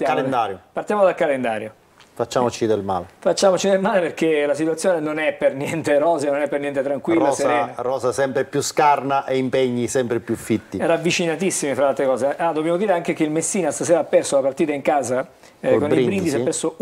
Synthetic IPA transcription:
jaalend̪aɾjopart̪jamod̪alkalend̪aːɾjo | fat͡ʃːamot͡ʃid̪elma̰ːlefat͡ʃːaːmot͡ʃid̪elmaːleperkelasit̪wat̪sjoːnenonɛpːernjɛnt̪erɔːzenonɛpːernjɛnt̪et̪ɾaŋkwirlːaseɾɛːnarɔːsasɛmpɾepjuskarnaʔeimpeɲːisɛmpɾepjufːit̪ːiɛɾavːit͡ʃinat̪isːimifɾaalt̪ɾekɔːzead̪ːobjamod̪iːɾeaŋk̟ekeilmesːiːnast̪aseːɾapːɛrsolapart̪iːt̪aiŋkaːza | koniɾibɾiɡ̪isapːɛrso

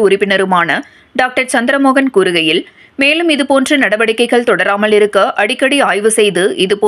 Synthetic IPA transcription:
ʊɾɪpːɪnɐɾɯmaːnɐ | ɖaːk̚ʈɐɾt͡ʃɐnd̪ɪɾɐmoːɣɐnkuːɾɯɣɐjɪl | meːlɯmɪðɯpoːndrɐnɐɽɐʋɐɽɪkːɐɪɣɐɭt̪ɔɽɐɾaːmɐlɪɾɯkːɐʔɐɽɪkːɐɽiaːjʋɯsɛjðɯʔɪðɯpoː

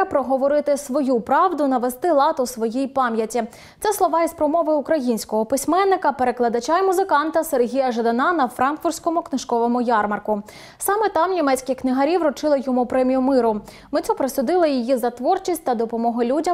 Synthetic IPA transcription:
pɾɔɦɔʋɔɾɪt̪ɪsʋɔjupɾɑʋd̪ʊnɐʋest̪ɪlˠɑt̪ɔsʋɔjijpɑmʲjɐtʲi | t̪sɛslˠɔʋɑispɾɔmɔʋɪʊkɾɐjinʲsʲkɔɦɔpɪsʲmɛnːɪkɐpeɾe̞klˠɐd̪ɐt͡ʃɑmʊzɪkɑnt̪ɐserɦʲijɐʒed̪ɐnɑnɐfɾɑnkfʊrsʲkɔmʊknɪʃkɔʋɔmʊjɑrmɐrkʊ | sɑmɛt̪ɑmnʲimɛt͡sʲkʲɪxknɪɦɐɾʲiʋɾɔt͡ʃɪlˠɪjɔmupɾɛmʲijʊmɪɾʊ | mɪt͡s̪ʲɔpɾesʲʊd̪ɪlˠɐjijizɐt̪ʋɔrt͡ʃisʲtʲt̪ɐd̪ɔpɔmɔɦʊlʲudʲɐ

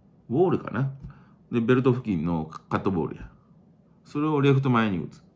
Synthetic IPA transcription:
boːɾɯ̟ka̰ne | d̪e̞be̞ɾɯ̟t̪o̞ɸɯ̟kʲĩnːo̞kat̪ːobo̰ːɾɯ̟̰ja | so̞ɾe̞o̞ɾe̞ɸt̪o̞maeɲ̟ḭɯ̰t͡sɨ̥

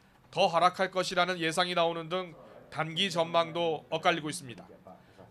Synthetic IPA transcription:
tʌɦaɾakʰaɭk͈ʌɕʰiɾanɯnje̞s̬ʰaŋinaonɯndɯŋtanɡid͡ʑʌnmaŋdoʌk͈aʎːiɡois͈ɯmɲida̰

